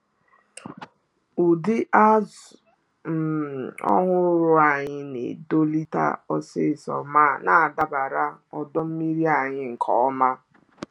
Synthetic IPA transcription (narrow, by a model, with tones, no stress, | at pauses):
u˨dɪ˦ʔa˦zʊ˨ | m̩˨ɔ̰˦ŋʷʊ˦ɾʊ˦a˨ɲɪ˦nḛ˨do˦li˦ta̰˦ɔ˦sɪ˦˨sɔ̰˨ma˦˨na˨a˨da˦ba˨ɾa˦ɔ˨dɔ˦m̩˦mi˦ɾi˦a˨ɲɪ˦ŋ̩˨kʰɔ˦ɔ˦ma˦